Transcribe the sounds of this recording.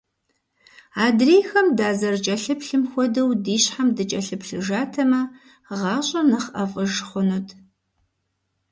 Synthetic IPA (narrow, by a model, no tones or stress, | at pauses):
aːdreːjxɐmdaːzɐrt͡ʃʼɐɬɨpɬɨmxʷɔdɐwdiːɕħamdɨt͡ʃʼɐɬɨpɬɨʒaːtʰɐmɐ | ʁɑːɕʼɐnɐχʔɐfʼɨʒχʷʊnotʰ